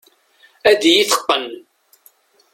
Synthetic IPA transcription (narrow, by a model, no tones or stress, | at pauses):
æd̪ijiθə̥qːən